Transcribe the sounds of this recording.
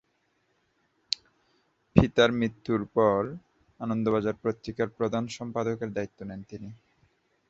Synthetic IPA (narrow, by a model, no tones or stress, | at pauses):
pʰit̪aɾmɾit̪ːuɾpɔɾ | anond̪obad͡ʑaɾpɾot̪ːɾikaɾpɾod̪ʱanʃɔmpad̪okeɾd̪ait̪ːonɛnt̪ini